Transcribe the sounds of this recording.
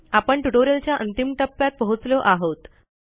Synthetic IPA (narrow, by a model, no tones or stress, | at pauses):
apəɳʈuʈoɾjəlt͡ɕjaʔənt̪imʈəpːjat̪̚pəɦut͡sloʔaɦot̪